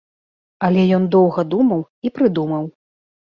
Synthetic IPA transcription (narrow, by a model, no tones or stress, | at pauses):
ɐlʲɛjɔnd̪ɔwɣɐd̪umɐw | ipɾɨd̪umɐw